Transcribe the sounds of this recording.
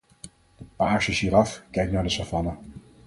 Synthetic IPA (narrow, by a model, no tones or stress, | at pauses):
maɑʃəʃiːɾɑfkɛjk̚naːɹdəsavɑnə